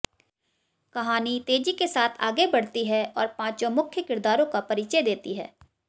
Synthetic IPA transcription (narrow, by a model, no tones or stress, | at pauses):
kɐɦaːnit̪eːd͡ʒikesaːt̪ʰa̰ːɡebɐɽ̤t̪iɦɛɔːɾpãːt͡ʃõmʊkʰjəkɪɾd̪aːɾõkapɐɾiːt͡ʃed̪eːt̪iɦɛ̰ː